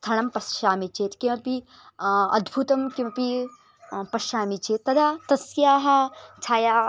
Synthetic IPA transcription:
st̪ʰɐɽɐmpɐsʃaːmit͡ʃeːt̪kiʋɐpi | ɐ̰d̪bʱut̪ɐmkiʋɐpi | pɐʃaːmit͡ʃeːt̪ːɐd̪at̪ɐsijaːɦɐt͡sʰaːja

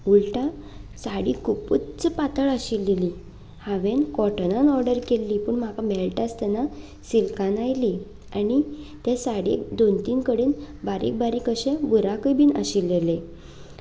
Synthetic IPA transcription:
ulʈa | saɽiːkuput̪t͡spat̪əɭaɕilːeliː | haʋenkɔʈnanɔɾɖəɾkelːiːpuːɳm̤akamɛlʈast̪ɛna | silkãnajli | anit̪ẽsaɽḭkd̪ont̪iːnkəɽiːn | baɾḭk̚baɾiːkəɕẽbuɾakəbiːnə̰ɕilːele

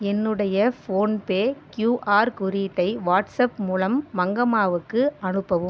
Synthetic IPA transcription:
ɛnːɯɽɐjɐfoːnpeːkjuːʔaːɾkʊɾiʈːɐɪʋaːʈsɐpmuːlɐmːɐŋɡɐmaːʋɯkːɯɐnɯpːɐʋɯm

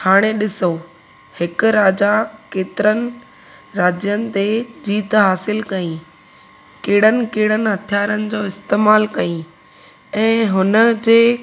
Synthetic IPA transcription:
haːɽ̃eɗɪso | hɪkʊ̆ɾaːd͡ʑakeːt̪ɪɾənɪ̆ | ɾaːd͡ʑjənɪ̆t̪ed͡ʑiːt̪ɦaːsɪlkɐĩ | keːɪɽ̤ənɪ̆keːɽənɪ̆ɦɐt̪ʰijaːɾənɪ̆d͡ʑoːɪst̪eːmaːlkɐĩ | ɛ̃ːɦʊnəd͡ʑeː

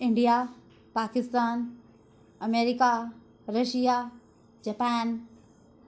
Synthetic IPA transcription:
ɪɳɖija | paːkɪst̪aːn | ɐmeːɾika | ɾɐʃija | d͡ʒɐpaːn

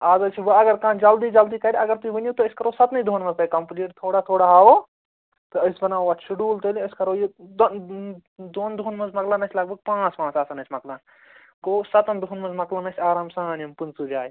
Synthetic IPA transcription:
aːzɐt͡ʃʰiʋɐɐɡɐɾkãːd͡ʒɐld̪iːd͡ʒɐld̪iːkɐɾʲiɐɡɐɾt̪uiʋɐnjut̪oɪskɐɾoːsɐt̪nid̪ʱoːnmɐ̃zt̪ɐkɐmpliːʈt̪ʰoːɽaːt̪ʰoːɽaɦaːʋoː | t̪ɐɐsbɐnaːoʋɐʃʰuɖuːlt̪ɐliɐskɐɾoːje | d̪oːnd̪ʱuːnmɐzmɐklaːnɐsʰʲlɐɡ̚bɐɡ̚pãːt͡spãːt͡saːsɐnɐt͡ʃʰʲmɐklaːn | ɡoːsɐt̪ɐnd̪ʱuunmɐ̃zmɐklanɐsʰʲaːɾaːmsãːnijɐmpunt͡sud͡ʒaːj

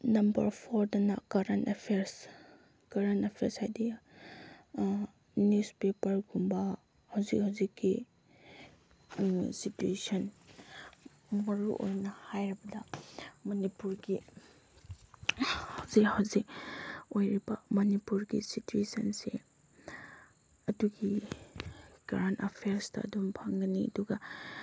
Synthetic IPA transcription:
nɐmbɐ̰ɾpʰoɾdɐnɐ̰kaɾantepʰeɾs | kaɾantepʰeɾshajdi | nuspepɐɾɡumbɐ | hawzik̚hawzikːi | situesɐn | mɐɾuʔo̰jnɐhajɾɐbɐdɐmɐnipuɾɡi | hawzikhawzik̚ojɾibɐmɐnipuɾɡḭsituesɐnse | ɐduɡi | ɡ̥ɾantapʰejaɾstɐ̰ɐ̰dumpʰaŋɡɐniɐ̰duɡɐ

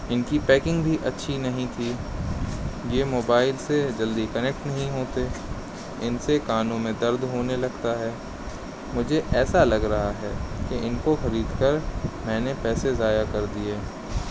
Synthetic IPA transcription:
ɪnkipɛːkɪ̃ŋɡbʱiʔɐtːʃʰinɐɦĩt̪ʰiː | jemoːbaːɪlsed͡ʒɐld̪ikɐnek̚ʈnɐɦĩɦoːt̪e | ɪnsekaːnõmẽd̪ɐɾd̪ɦoːnelɐɡt̪aɦɛː | mʊd͡ʒʱeʔɛːsalɐɡɾɐɦaɦɛːkeʔɪnkoxɐɾiːd̪kɐɾmɛ̃ːnepɛːsezaːjakɐɾd̪ieː

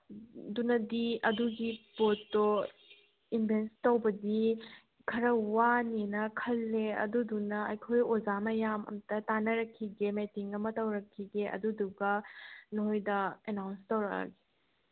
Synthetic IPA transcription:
dunɐdiɐduɡipoto | inbʱenstɐwbɐdi | kʰɐɾɐwanenɐkʰɐlːeɐ̰dudunɐɐjkʰojozamɐjamɐ̰mtɐtanɐɾɐkʰːiɡemetiŋɐmɐtɐwɾɐkʰːiɡeʔɐ̰duduɡɐnoɦojdɐenawnstɐwɾɐka̰ɡe̥

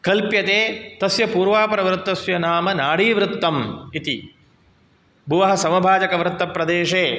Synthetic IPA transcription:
kɐlpjɐt̪eːt̪ɐsjɐpuːɾʋaːpɐɾɐʋɾt̪ːɐsjɐnaːmɐnaːɽiːʋɾut̪ːɐmit̪i | bʱuʋɐɦɐsɐmɐbʱaːd͡ʒɐkɐʋɾt̪ːɐpːɾɐd̪eːʂeː

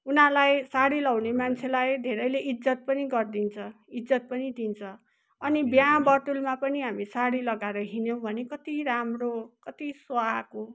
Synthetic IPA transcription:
unalajsaɽilawnemant͡sʰelajd̪ʱeɾʌjleʔid͡zʌt̪̚pʌniɡʌrd̪int͡sʰʌ | id͡zʌt̪̚pʌnid̪ʱint͡sʰʌ | ʌnibjãbʌʈulmapʌniɦamisaɽilʌɡaeɾʌɦinjow̃bʱʌnekʌt̪iɾamrokʌt̪iswako

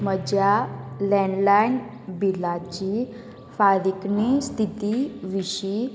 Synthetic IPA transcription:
məd͡ʑjalɛnlajn | bilat͡ɕi | faɾiknist̪ʰit̪iʋiɕi

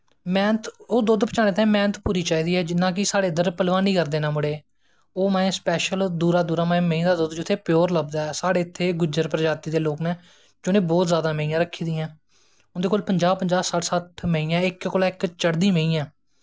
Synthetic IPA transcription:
mɛ̃ːnət̪oːd̪ʊd̪pət͡ʃaːneːt̪ãmɛ̃ːnət̪puːɾiːt͡ʃaːiːd̪iːɦɛːd͡ʒɪnːãːk̬ɪsaːɽeːd̪əɾpəlʋãːnĩːkəɾd̪eːnãːmʊɽeː | oːmɛ̃ːẽːspɛːʃəld̪uːɾaːd̪uːɾaːm̃ːməĩːd̪aːd̪ʊd̪d͡ʒʊt̪ʰːeːpjoːɾləbd̪aːɛːsaːɽeːɪt̪ʰːeːɡʊd͡ʒəɾpɾəd͡ʒaːt̪iːd̪eːloːkmɛ̃ː | d͡ʒʊnẽːbɔːt̪zjaːd̪aːməĩːãːɾəkʰːiːd̪iːãː | ʊnd̪eːkoːlpəɲd͡ʒaːbpəɲd͡ʒaːsəʈsəʈʰməiːãːɪkkoːlaːɪkt͡ʃəɽd̪iːməĩːãː

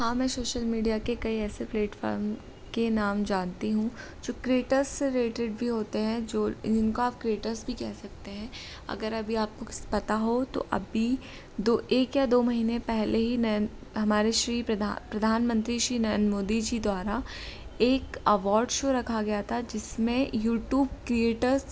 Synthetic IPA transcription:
hãːmɛ̃ːsoːʃəlmiːɖijakekɐiɛːsepleːʈfɔ̰ːɾm | kenaːmd͡ʒaːnt̪iɦũ | d͡ʒoːkɾeːʈəɾseɾeːʈeɖ̚bʱiɦoːt̪eɦɛ̃d͡ʒoːɪnkoaːp̚kɾeːʈəɾsbʱikɛɦsɐkt̪eɦɛ̃ | ɐ̰ɡəɾɐbʱiaːp̚kospɐt̪aɦot̪o̰ʔɐ̰bʱi | d̪oːʔeːkjad̪oːmɐɦiːnẽpɛɦlʔeɦinɐən | ɦɐmaːɾeʃɾiːpɐd̪apɾɐd̪ʱaːnmə̃nt̪ɾiʃɾiːnɐjənmoːd̪id͡ʒid̪waːɾa | eːkɐʋɔːɾɖʃoːɾɐkʰaɡɐjat̪ʰad͡ʒɪsmẽjuːʈjuːb̚kɾieːʈəɾz

